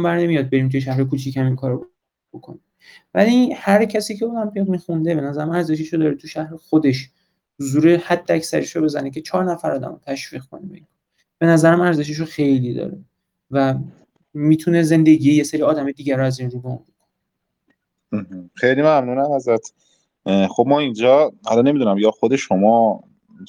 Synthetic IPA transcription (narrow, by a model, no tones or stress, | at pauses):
mbæɾne̞mijɒːd̪̚be̞ɾimt̪ʰujeʃ̬æɦɾekʰuːt͡ʃʰichæmiŋkʰɒːɾo | bokʰoni | væ̰lihæɾcʰæsiːcʰeod̪æmpʰimixund̪e̞be̞næzæɾæmæɾze̞ʃeʃod̪ɒːɾet̪ʰuʃæhɾexod̪e̞ʃ | huzuːɾe̞hæd̪ːeæcsæ̰ɾeʃɾobe̞zæ̰necʰe̞t͡ʃʰɒːɾnæfæɾɒːd̪æ̰mot̪ʰæʃv̥iːɣkʰo̞nebeiŋkʰːɾ | b̥e̞næzæɾæmæɾze̞ʃ̬eʃ̬oxe̞jlid̪ɒ̰ːɾe | væ | miːt̪ʰune̞ze̞nd̪e̞ɟiːjejeseɾiːɒːd̪æmɒjd̪iːɟæɾoæzinɾubɒunbokʰone | h̩xejlimæmnuːnæmæzɾæt̪ʰ | xob̚mɒːind͡ʒɒːæ̰lɒne̞mid̪unæmjɒxod̪e̞ʃomɒː